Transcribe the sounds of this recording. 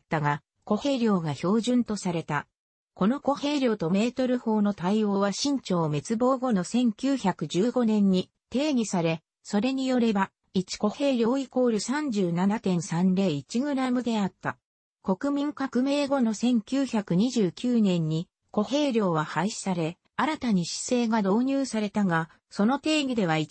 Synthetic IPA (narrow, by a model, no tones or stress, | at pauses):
t̪ːaɡa | ko̞he̞ːɾʲjo̞ːɡaço̞ːʑɨ̃nt̪o̞saɾe̞t̪a | ko̞no̞ko̞he̞ːɾʲjo̞ːt̪o̞me̞ːt̪o̞ɾɯ̟ho̞ːno̞t̪aio̞ːβaɕĩɲ̟t͡ɕo̞ːme̞t͡sɨbo̞ːɡo̞no̞sẽ̞ŋkʲɨːçakɯ̟d͡ʑɨːɡo̞nẽ̞ɲ̟ːi | t̪e̞ːɡʲisaɾe̞ | so̞ɾe̞ɲ̟ijo̞ɾe̞ba | it͡ɕi̥ko̞he̞ːɾʲo̞ːiko̞ːɾɯ̟sãɲ̟d͡ʑɨːnanat̪ẽ̞ɰsãnɾe̞ːit͡ɕiɡɯ̟ɾamɯ̟d̪e̞at̪ːa | ko̞kɯ̟mʲĩŋkakɯ̟me̞ːɡo̞no̞sẽ̞ŋkʲɨːçakɯ̟ɲ̟iʑɨːkʲɨːnẽ̞ɲ̟ːi | ko̞he̞ːɾʲo̞ːβahaiɕi̥saɾe̞ | aɾat̪aɲ̟iɕi̥se̞ːɡad̪o̞ːɲ̟ʲɨːsaɾe̞t̪aɡa | so̞no̞t̪e̞ːɡʲid̪e̞β̞ai